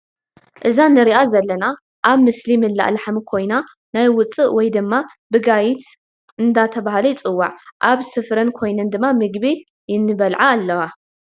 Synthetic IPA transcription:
ʔɨzanɨɾiʔazɐlːɐna | ʔaβmɨslimɨlːa̰ʔlaħmɨkʰo̞jna | najwʊt͡sʼɨʔwɔjd̪ɨmːa | bɨɡajit̪ | ɨnd̪at̪ʰɐβahlɐjɪt͡sʼɨwːaʕʔaβsɨfɾɨnkʰo̞jnɨnd̪ɨmːamɨɡβi | jɪnːɨβɐlʕaːlːɐwa

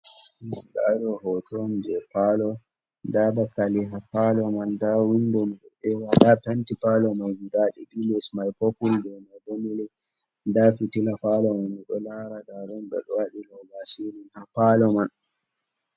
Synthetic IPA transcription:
ɗadɔhɔtʰɔnd͡ʒɛpalɔ | dadakaliɦapalɔmandawindɔmiɗɔɛwaɗapantipalɔmajɡudaɗɛdilɛsmajpokuldɔmadonilɛ | dafitilafalɔmanːiɗɔlaɾadaɾɔnɓɛ̰ɗɔwaɗilɔlasininhapalɔman

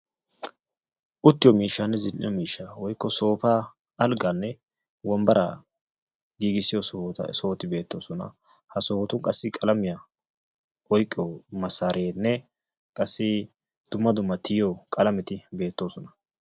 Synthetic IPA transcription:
ʔʊt̪ːɪjɔmiːʃːaːnːɛzɪlʔɪ̰jɔmiːʃːaːwɔjkːɔso̞ːpaː | ɐlɡanːɛ | wɔmbɐɾɐ̰ | ɡiːɡɪsːɪjɔ̰soːt̪ːɪbe̞ːt̪ːo̞ːsɔnɐ̰ | hɐsoːt̪ʊŋkʼɐsːɪkʼɐlɐmɪja | ʔɔjkʼːɪjɔmɐsːaːɾeːnːɛ | kʼɐsːɪ | d̪̥ʊmːɐd̪ʊmːɐt̪ʰɪjjɔkʼɐlɐmɪt̪ɪbe̞ːt̪ːo̞ːsɔnɐ̥

